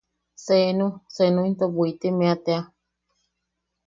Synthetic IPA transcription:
senũsenũint̪obuit̪emẽat̪ea

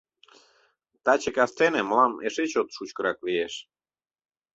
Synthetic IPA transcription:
t̪ɑt͡ɕəkɑst̪eneməlɑmeʃet͡ɕot̪ʃut͡ɕkə̆ɾɑklijeʃ

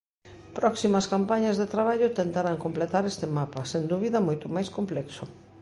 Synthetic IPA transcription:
pɾɔksimɐskampaɲɐzðet̪ɾaβ̞aʎʊt̪ent̪aɾaŋkomplet̪aɾest̪emapɐsend̪uβiðɐmojt̪ʊmajskomplɛksʊ

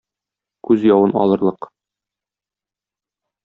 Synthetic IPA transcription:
kʉzjɒwɤnɒ̰lˠɤ̆ɾlˠɤq

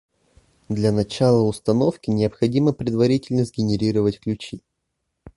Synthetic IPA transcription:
d̪lʲɐnɐt͡ɕalˠəʊst̪ɐnofkʲɪnʲɪəpxɐdʲiməpɾʲɪd̪vɐɾʲitʲɪlʲnəzʲɡʲɪnʲɪɾʲiɾəvətʲklʲʉt͡ɕi

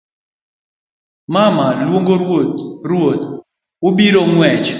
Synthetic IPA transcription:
mamalwoŋɡoɾwot̚ɾwot | ʊbiɾoŋwɛt͡ʃ

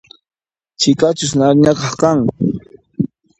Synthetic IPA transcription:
t͡ʃɪkat͡ʃʊsnaɾɲakɑχkaŋ

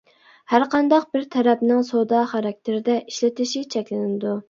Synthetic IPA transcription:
hæɾqʰɑnd̪ɑq̚bɪɾt̪ʰɛɾɛpnɪŋsod̪ɑχɑɾɑk̚ʲt̪ʰɪɾɪd̪ɛʔiʃlɪt̪ʰɪʃit͡ʃʰɛkʲlɪnɪd̪u

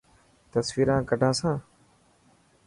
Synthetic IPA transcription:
t̪əsʋiːɾãːkəɖʱãːsãː

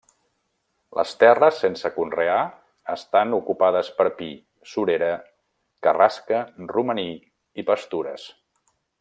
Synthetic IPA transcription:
lʔə̰st̪ɛrəsːensəkunrea | əst̪anukupað̞əspəɾpi | suɾeɾə | kəraskəruməni | ipəst̪uɾə̰s

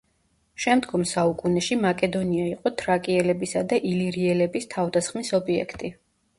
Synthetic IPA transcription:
ʃɛmd̪ɡɔmsaukʼunɛʃimakʼɛd̪ɔniaiqʼɔt̪ʰɾakʼiɛlɛbisad̪aʔiliɾiɛlɛbist̪ʰavd̪asχmisɔbiɛ̰kʰt̪ʼi

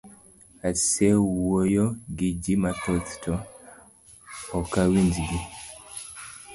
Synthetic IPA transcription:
asɛwojoɡid͡ʒimatɔt̪tɔ | ɔkawind͡ʒɡi

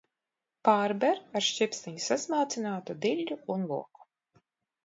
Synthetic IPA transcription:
paːɾbɛɾaɾʃt͡ʃʲipst̪ʲiɲʲisazmaːt̪sinaːt̪ud̪ilʲːuunlˠuɔku̥

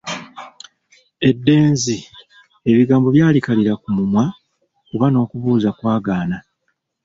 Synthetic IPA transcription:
e̞dːe̞ːnzi | e̞βiɡaːmbo̞βjaːlikaliɾakumumwa | kuβano̞ːkuβuːzakwaːɡaːna

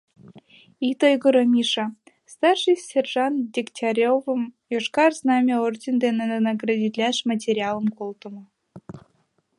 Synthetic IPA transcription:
it̪ojɡə̆ɾɤmʲiʂɑ | st̪ɑrʂɨjsʲerʐɑndʲiktʲaɾʲovəmjoʂkɑrznɑmʲeord̪ʲend̪enʲenenɑɡrɑdʲid̪ʲlʲaʃmɐt̬ʲeɾʲialˠəmkolˠt̪ə̆mɤ̆

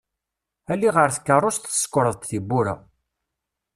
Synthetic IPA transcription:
ælːiʁəɾθə̥kːərˤːost̪θə̥sːkʷːɾˤəðˤt̪θibːuɾa̰

